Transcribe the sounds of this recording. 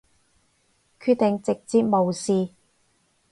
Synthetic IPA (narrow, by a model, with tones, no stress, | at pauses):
kʰy˧t̚t̪ɪ˨˩ŋt͡sɪ˨k̚t͡siː˧p̚mo˨wsiː˨˧